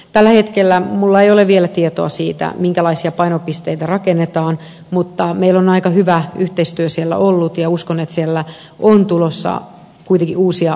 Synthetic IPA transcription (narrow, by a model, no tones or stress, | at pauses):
t̪ælːæhet̪kelːæmulːɑeijoleʋʋielæt̪iet̪o̰ɑsiːt̪æ̰miŋkælɑisiɑpɑinopist̪eit̪ærɑkenːet̪ɑːn | mut̪ːɑmeilːonɑikɑhyʋæyht̪eist̪yøsielːæ̰ʔolːut̪jɑuskonet̪sielːæ | ʔont̪ulosːɑ̰ | kuit̪eŋkiuːsiɑ